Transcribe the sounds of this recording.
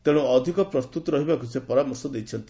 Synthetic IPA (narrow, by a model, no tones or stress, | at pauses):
t̪eɽ̃uɔd̪ʱikɔpɾɔst̪ut̪ɔɾɔɦibakusepɔɾamɔɾsɔd̪ejt͡ʃʰɔnt̪i